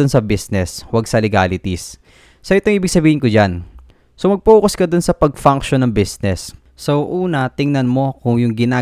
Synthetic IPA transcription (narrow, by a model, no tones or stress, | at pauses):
onsɐbisnɛswɐɡsɐlɪɡa̰ːlɪt̪isː | ɐʔɪt̪oŋʔiːbɪɡ̚sɐbiːhɪnkod͡ʒan | somɐɡ̚pɐuːkoskɐd̪ʊnsɐpɐɡ̚faŋkʃonːɐŋbisnɛsː | owʔuːnɐt̪ɪŋnɐnmo̞kʊŋjʊŋɡɪnaː